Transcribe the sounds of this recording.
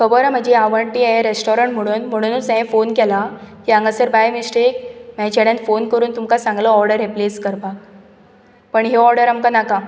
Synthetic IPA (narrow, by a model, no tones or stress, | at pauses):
kəbɔɾam̤əd͡ʑeaʋəɳʈiaɾesʈɔɾəɳʈm̤əɽ̃uːnm̤əɽ̃unut͡sɛ̃fonkɛlaɦiãŋɡasəɾbajmisʈek̚mɛ̃t͡ɕɛɽjãnfonkəɾuːnt̪umkasãŋɡlɔɔɾɖəɾːepleskəɾpa | pəɳɦeɔɾɖəɾamkanaka